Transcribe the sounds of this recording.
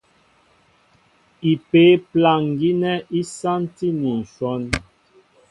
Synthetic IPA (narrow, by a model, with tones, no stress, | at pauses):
i˨pe˨˦pla˨ŋ˨ɡi˦nɛ˦i˦sa˦nti˦ni˨n̩˨swɔ˦n